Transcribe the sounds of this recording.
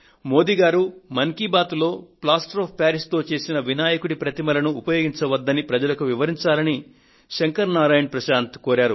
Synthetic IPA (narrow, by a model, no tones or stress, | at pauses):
mo̞ːd̪iːɡaːɾumɐŋkibaːt̪lo̞ːplaːsʈɾoːpʰpaːɾist̪o̞ːt͡ʃe̞ːsinɐʋinaːjɐkuɽipɾɐt̪imɐlɐnuːpɐjoːɡiɲt͡ʃɐʋɐd̪ːɐnipɾɐd͡ʒɐlɐkuʋiʋɐɾiɲt͡ʃaːlɐni | ʃɐŋkɐɾnaːɾaːjɐɳpɾɐʃaːnt̪koːɾaːɾu